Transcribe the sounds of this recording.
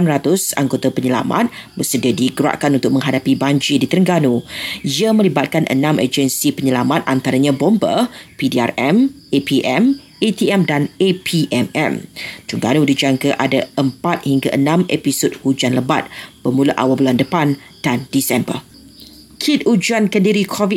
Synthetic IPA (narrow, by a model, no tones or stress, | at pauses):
anrat̪ʊsa̰ŋɡot̪apəɲəla̰ma̰t̪̚bəsədiadiɡəɾa̰ʔkanunt̪ʊk̚mə̃ŋɦadapibaɲd͡ʒidit̪əɾəŋɡanuiamə̃libat̪̚kanʔə̰nãməd͡ʒənsipəɲəlamat̪̚ʔant̪aɾaɲãbombə̰pidia̰rɛm | epiʔɛm | et̪iɛmdanepʰiʔɛmɛ̰mt̪əɾəŋɡa̰nudid͡ʒaŋɡaʔadaəmpat̪̚hiŋɡaʔənãmepisod̚hud͡ʒanləba̰t̪̚b̥əmuluʔa̰wabuluandəpan | d̥andisɛmbə̰r | kʰit̪ud͡ʒuankəndiɾikʰɔvi